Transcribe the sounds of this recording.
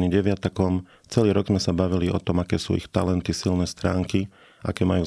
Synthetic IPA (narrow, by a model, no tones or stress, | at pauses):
niɟɛʋɪat̪akɔm | t͡sɛliːɾɔɡzmɛsabaʋiliɔ̰t̪ɔmakɛːsṵːḭxt̪alɛnt̪isilnɛːst̪ɾaːŋki | ʔa̰kɛːmajuː